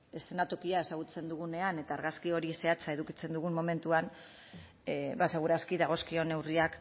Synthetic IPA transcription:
e̞se̞nat̪okiae̞saɣ̞ut͡se̞nd̪uɣune̞ane̞t̪aːɾɣaskio̞ɾise̞at͡sae̞ðukit͡se̞nd̪uɣummːo̞me̞nt̪uan | baseɣuɾaskiðaɣ̞o̞skio̞ne̞wriak

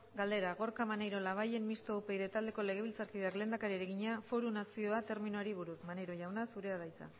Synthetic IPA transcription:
ɡald̪e̞ɾaɣ̞o̞ɾkamanejɾo̞laβ̞aje̞nmist̪owpe̞jðe̞t̪ald̪e̞ko̞le̞ɣ̞e̞β̞ilt͡saɾkiðe̞akle̞ːnd̪akaɾiɾe̞ɣiɲafo̞ɾunasio̞at̪e̞ɾminuaɾiβuɾusmanejɾo̞ʝawnasuɾe̞aðajt͡sa̰

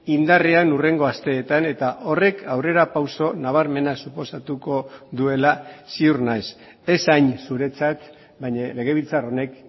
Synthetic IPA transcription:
ind̪areanure̞ŋɡo̞ast̪e̞ːt̪ane̞t̪aʔo̞re̞kʰawre̞ɾapawso̞naβ̞aɾme̞nasupo̞sat̪uko̞ðue̞lasiurnajs | e̞sajnsuɾe̞t͡sat̪ | bajɲale̞ɣ̞e̞β̞ilt͡saro̞ne̞k

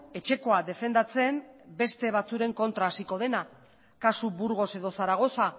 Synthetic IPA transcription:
e̞t͡ʃe̞ko̞ad̪e̞fe̞nd̪at͡se̞mbe̞st̪e̞β̞at͡suɾe̞ŋko̞nt̪ɾaːsiko̞ð̞e̞na | kasuβuɾɣo̞se̞ðo̞saɾaɣ̞o̞sa

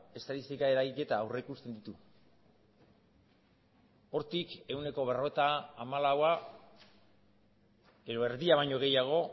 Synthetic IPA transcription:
e̞st̪at̪ist̪ikae̞ɾaɣike̞t̪aːwre̞ikust̪e̞nd̪it̪u | o̞ɾt̪ike̞wne̞ko̞β̞e̞ro̞et̪aːmalawa | e̞ðo̞e̞ɾðiaβajɲo̞ɣ̞e̞jaɣ̞o̞

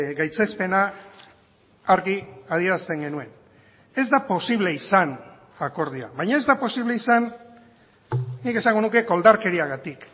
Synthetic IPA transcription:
ɡajt͡se̞spe̞na | aɾɣiað̞ie̞ɾast̪e̞ŋɡe̞nue̞n | e̞zd̪apo̞siβle̞isan | ako̞ɾð̞ia̰βajɲae̞zd̪apo̞siβle̞isan | nike̞saŋɡo̞nuke̞ko̞ld̪aɾke̞ɾiaɣat̪ik

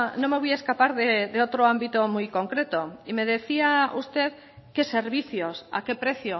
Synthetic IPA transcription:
nõme̞β̞ujaeskapaɾðeðeot̪ɾoãmbit̪omujko̞ŋkɾet̪oime̞ð̞e̞θiaust̪eð | ke̞se̞ɾβ̞iθjosa̰ke̞pɾe̞θjo

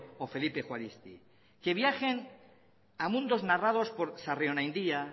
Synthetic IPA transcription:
ofe̞lipe̞xwalist̪ḭ | ke̞βjaxe̞n | amũnd̪o̞znarað̞o̞spo̞ɾsareonajnd̪ia

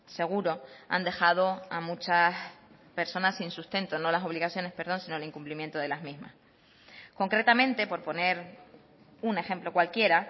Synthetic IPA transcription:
se̞ɣ̞uɾo̞a̰nd̪e̞xað̞o̞amut͡ʃaspe̞ɾso̞nasːinsust̪e̞nt̪o̞no̞laso̞βliɣaθjo̞ne̞spe̞ɾð̞o̞nsinoliŋkumplimje̞nt̪oð̞e̞lazmizma̰s | ko̞ŋkɾe̞t̪amẽnt̪e̞po̞ɾpo̞ne̞ɾ | une̞xe̞mplo̞kwalkje̞ɾa

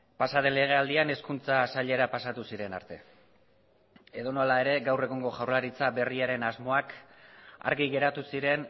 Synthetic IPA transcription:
pasaðe̞le̞ɣ̞e̞ald̪iane̞skunt͡sasaʎe̞ɾapasat̪usiɾe̞na̰ɾt̪e̞̰ | e̞ðo̞no̞lae̞ɾe̞ɡawre̞ɣ̞oŋɡo̞ʝawrlaɾit͡sabe̞riaɾe̞nazmo̞ak | a̰ɾɣiɣe̞ɾat̪usiɾe̞n

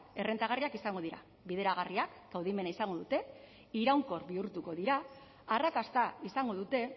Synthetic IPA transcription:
e̞re̞nt̪aɣ̞ariakisaŋɡo̞ð̞iɾa̰ | βiðe̞ɾaɣ̞ariakɡ̥awð̞ime̞naisaŋɡo̞ðut̪e̞ | iɾawŋko̞ɾβiuɾt̪uko̞ðiɾaː | rakast̪aisaŋɡo̞ðut̪e̞

